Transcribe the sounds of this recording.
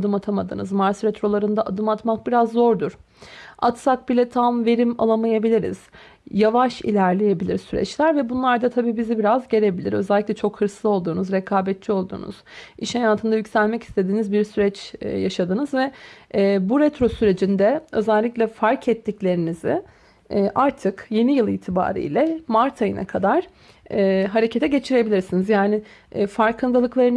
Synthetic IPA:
d̪ɯmat̪ʰamad̪ɯ̰nɯzmaɾsɾɛt̪ɾo̞lˠaɾɯnd̪aʔad̪ɯmat̪mak̚biɾazːo̞ɾd̪uɾ̥ | a̰t̪sak̚bilʲɛt̪ʰamve̞ɾima̰lˠamajabilʲiɾḭz̥ | javaʃḭlʲæɾlʲeje̞bilʲḭɾsyɾɛ̰t͡ʃlʲæɾvɛbunlˠaɾd̪at̪ʰabiːbizibiɾazɟe̞ɾe̞bilʲḭɾø̞̰zɛlʲːiclʲɛt͡ʃʰo̞khɯɾslˠɯo̞lˠd̪uːnuzɾekʰaːbɛt̪̚t͡ʃʰio̞lˠd̪ṵːnṵz̥ʔiʃhajaːt̪ʰɯnd̪ajycsælʲmɛci̥st̪ʰe̞d̪iːnizbiɾsyɾɛt͡ʃːjaʃad̪ɯnɯzvɛ | buɾɛt̪ɾo̞syɾe̞d͡ʒind̪ɛøzɛlʲːiclʲɛfaɾkʰɛt̪ːiclʲe̞ɾinizɪ̰ː | ʔaɾt̪ʰɯkje̞nijɯlˠḭːt̪ʰiba̰ːɾḭːlʲɛmaɾt̪ʰajɯnʔa̰kʰad̪aɾ̥ | ɛːɦaɾe̞cʰe̞t̪ʰɛɟe̞t͡ʃʰiɾe̞bilʲiɾsinizjaːnɪ | faɾkʰɯnd̪alˠɯklˠaɾɯn

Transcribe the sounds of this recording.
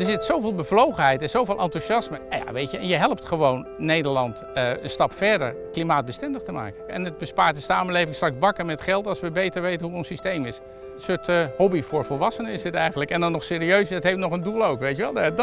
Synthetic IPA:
dəɹzɪtsowvɪːlˠbəvlowχənɦɛjtɛnzowvɪːlʔɑntuʃɑsməja̰ʋejtəɛnjəɦɛlˠəptχəʋownːejdəɹlɑnt | əə̰nstɑpfɛɹdə̰ɹklimaːd̚bəstɛndəχtəma̰ːkəɛ̰nəd̚bəspaːɹt̚dəsaːməlejvɪŋstrɑkzbɑkəɹmɛtχɛlˠtɑlˠsʋəbejtəɹʋejtənɦuənsistejmɪs | sʊthɔbifʊːɹvɔlˠʋɑsənəɪsətɛjχənləkɛndɑnːɔχsɪːɾiøɥsətɦejftnɔχəndulˠowkʋejtjəʋɛlˠ

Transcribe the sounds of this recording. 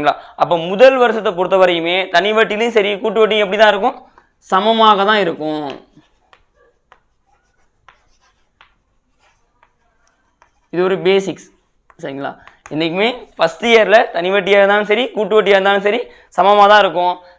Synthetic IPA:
ŋɡɐɭa̰ːʔɐp̬ːoːmʊðɐlʋɐɾɯsɐt̪ːɐp̬ɔɽɯt̪ːɐʋɐɾɐjɯmeːt̪ɐnɪʋɐʈːɪjlɐjʊ̃sɐɾikuːʈːɯʋɐʈːɪj̃ɛpːɐɽɪt̪ãːɪɾɯk̬ːʊ̃ | sɐmɐmaːɣɐt̪ãːɪɾɯkːʊ̃ | ɪðɯʋɔɾɯbeːsɪks | sɐɾɪŋɡɐɭa̰ːɪnːɛk̬ːɯmeːfɐst̪ɯjeːɾlɐt̪ɐnɪʋɐʈːɪjeːɾɯnd̪aːnɯsɐɾikuːʈːɯʋɐʈːɪjeːɾɯnd̪aːnɯsɐɾi | sɐmɐmaːt̪ãːɪɾɯkːʊ̃

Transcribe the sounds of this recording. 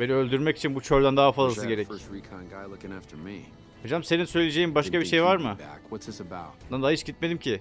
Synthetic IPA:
beniølʲd̪yɾmɛci̥t͡ʃʰinbut͡ʃʰøɾlʲænd̪aɦafazlasɯɡɟe̞ɾɛcɹikʰãɪ̃nɡaɪlˠʊkɪ̃ŋæftʰə˞mḭ | hod͡ʒamse̞ninsø̞jlʲed͡ʒe̞jimbaʃkabiʃe̞jvaɾmɯbæ̰kwʌtsɪsəbaʊt̚d̪and̪aaiʃɟit̪med̪imcʰɪ

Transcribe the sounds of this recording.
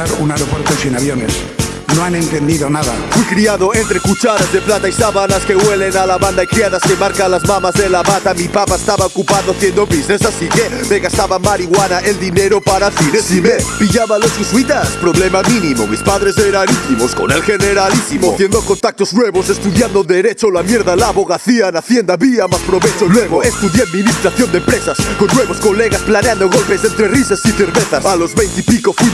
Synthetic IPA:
aɾunaeɾopweɾt̪osinaβjonḛs | noane̞nt̪end̪iðonaða̰fwikɾiaðoent̪ɾekut͡ʃaɾazðeplat̪aisaβanaskeβwelenalaβand̪aikɾiaðaskemaɾkalazmamazðelaβat̪amipapaest̪aβaokupaðoθjend̪oβiznesasikemeɣast̪aβamaɾiɣwanaʔeld̪ineɾopaɾaθinesimepiʎaβalosxusuit̪aspɾoβlemamĩnimo̰mispaðɾeseɾanint̪imosko̰nelxeneɾalisimoθjend̪okont̪ak̚t̪oznweβosest̪uðjand̪oðeɾet͡ʃolamjeɾðalaβoɣaθianaθjend̪aβiamaspɾoβet͡ʃonweβoest̪uðjeaðmĩnist̪ɾaθjond̪empɾesaskonːweβoskoleɣasplaneãnd̪oɣ̞olpesent̪ɾerisasiθeɾβeθasalozβejnt̪ipikofwi

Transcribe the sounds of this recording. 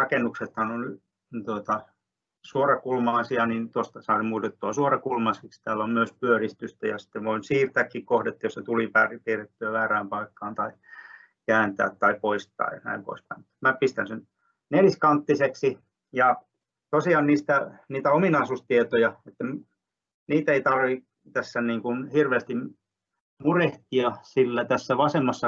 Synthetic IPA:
rɑkenːˑukset̪hɑnony | t̪uot̪ɑ | suorɑkulmɑːsiɑnint̪ost̪ɑsɑimuːt̪et̪ːuɑsuorɑkulmɑsikst̪æːlːommyøspyørist̪yst̪æjɑsi̥t̪ːeʋʋoinsiːrt̪ækːikkohdet̪ːjoset̪ulipæripiret̪ːyæʋæːræːmpɑikːɑːnt̪ɑi | kæːnt̪æ̰ːt̪tɑipoist̪ˑɑ̰ːjɑnæ̰impo̰ispæimut̪mæpist̪ænsen | neliskɑnt̪ːiseksi | jɑ | t̪osiɑnniːst̪æniːt̪æominɑisust̪iet̪ojɑet̪ːæm | niːt̪eit̪ɑrʋi | t̪æsːæniːŋkunhirʋeːst̪im | mureht̪iɑsilːæt̪æsːæʋɑsemːɑsːɑ

